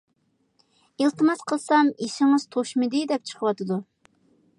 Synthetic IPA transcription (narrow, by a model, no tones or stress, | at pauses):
elˠt̪ɨmɑsqʰəlˠsɑmiʃɪŋɨz̥t̪ʰoʃmɨd̪ɪd̪ɛp̚t͡ʃʰə̥qʰəwɑt̪ʰɨd̪u